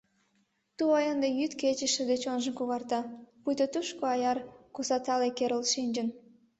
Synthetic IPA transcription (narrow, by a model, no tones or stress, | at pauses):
t̪uɑjɑnd̪ɑjyt̪ket͡ʃə̆ʃə̆d̪et͡ɕonʒə̆nkuɣɑrt̪ɑpujt̪ot̪uʃkoɑjɑrkusɑt̪ɑlekeɾə̆lˠʃinʲd͡ʒə̆n